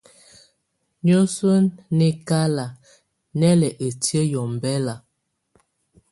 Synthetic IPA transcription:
ɲo˦so˦nːe˦ka˦la˨ | nɛ˦lɛ˨ʔe˨tjə˦jɔ˨m˨bɛ˦la˨

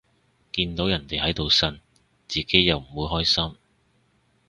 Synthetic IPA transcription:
kiː˧nt̪o˨˥wjɐ˨˩nt̪e˨jhɐ˨˥jt̪o˨wsɐ˨n | t͡siː˨ke˨˥jjɐ˨wm̩˨˩wuː˨˧jɦɔː˥jsɐ˥m

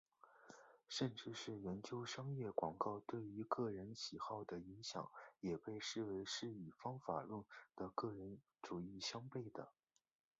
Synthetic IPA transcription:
ʂə˥˧nʈ͡ʂɻ̩˥˧ʂɻ̩˥˩jɛ˧˥nt͡ɕjo˥ʊʂɑ˥ŋjɛ˥˩kwɑ˨˩ŋkɑ˥˧ʊt̪we˥˩ɪy˧˥kɤ˥˩ɻə˧˥nɕi˨˩xɑ˥˩ʊd̪ə˩i˧˥ŋɕjɑ̰˨˩˦ŋjɛ˨˩pe˥˧ɪʂɻ̩˥˩we˧˥ɪʂɻ̩˥˩y˨˩fɑ˥ŋfa̰˨˩ɻə˥˩ŋd̪̥ə˩kɤ˥˩ɻə˧˥n | ʈ͡ʂu˨˩i˥˩ɕjɑ˥ŋpe˥˩ɪd̪ə̰˩

